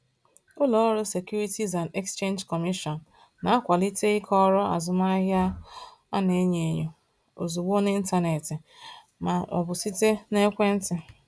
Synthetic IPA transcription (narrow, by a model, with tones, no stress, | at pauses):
ʊ˦lɔ˨ɔ˦ɾʊ˦se˨kju˦ɾi˦ti˦za˨nde˦kst͡ʃe˦nd͡ʒkɔ˨mi˦ʃɔ˨nː˨ | a˨a˦kʷa˨li˦te˦ɪ˦kʰɔ˦ɾɔ˦a̰˨zʊ˨ma˦ɦja˦ | a˦ne˨˦ɲe˨ɲo˨ | o˨zu˨ɡ͡bo˦ne˦n̩˦ta˦ne˨tɪ˨ | ma˨ɔ̰˨bʊ˨si˦te˦ne˦kʷe˦n̩˦tɪ˨